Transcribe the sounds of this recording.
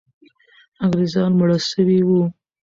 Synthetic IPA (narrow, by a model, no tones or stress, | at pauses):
aŋɡɾezɑnmʊɽəsəwiwu